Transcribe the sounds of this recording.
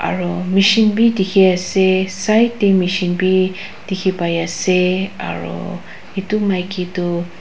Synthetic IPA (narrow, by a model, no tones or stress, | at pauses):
a̰ɹɔmiʃinbidikʰiasesajtemiʃinbi | d̥ikʰipajasea̰ɹɔ̰ | itumajkitɔ